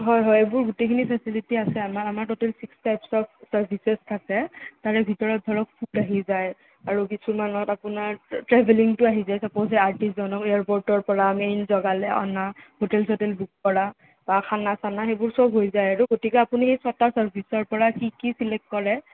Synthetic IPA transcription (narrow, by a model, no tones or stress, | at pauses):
ɦɔjɦɔjebʊɹɡutejkʰinipʰɛsilitiasɛamaɹamaɹtotɛlsikstajpsɔbsaɹbʱisestʰakɛtaɹɛbʱitɔɹɔt̚dʱɔɹɔk̚pʰudaɦizaj | aɹukisumanɔtapʊnaɹtɹɛbʱeliŋtʊaɦizajsapozɛaɹtiszɔnɔkeaɹpɔɹtɔɹpɔɹamejnzɔɡalɛʔɔ̰nahotɛlsʰotɛlbuk̚pɔɹa | b̥akʰanasanaxebʊɹsɔbɦojzajaɹuɡotikɛapunixejsatasaɹbʱisɔɹpɔɹakikisilɛk̚tkɔɹɛ